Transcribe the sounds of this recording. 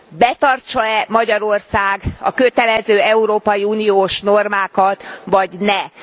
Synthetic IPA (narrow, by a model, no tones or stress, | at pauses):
bɛt̪ɒrt͡ʃɒɛmɒɟɒɾo̞rsaːɡɒ̰køt̪ɛlɛzøːɛuɾoːpɒjiuːnijoːʃno̞rmaːkɒt̪ʋɒɟnɛ